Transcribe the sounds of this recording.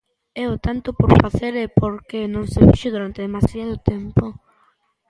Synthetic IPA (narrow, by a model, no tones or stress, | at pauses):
ɛʊt̪ant̪ʊpoɾfaθeɾɛpoɾkenõŋsefiʃʊðuɾant̪eðemasjaðʊt̪ɛmpʊ